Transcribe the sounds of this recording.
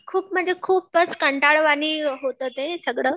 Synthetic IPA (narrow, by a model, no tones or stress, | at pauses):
kʰuːp̚m̤əd͡zʱekʰuːpːət͡skəɳʈaɭʋañiːɦot̪ət̪esəɡɽəː